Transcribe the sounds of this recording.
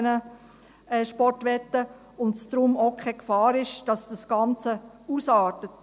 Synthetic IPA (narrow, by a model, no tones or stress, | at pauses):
nə | ɛʃpɔrtʋɛtːə | ʊntsd̥̪ɾʊmoʊkʰɛkfɑːɾɪʃd̥ɑsd̥əsɡ̥ɑnt͡sə | usɑːtət